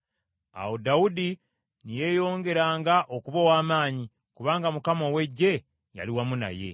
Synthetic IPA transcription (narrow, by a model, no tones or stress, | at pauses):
a̰wo̞dawudi | nije̞ːjo̞ːŋɡe̞ɾaːŋɡaʔo̞kuβowaːmaːɲi | kuβaːŋɡamukamo̞we̞ɟːe̞ | ja̰liwamuna̰je̞̰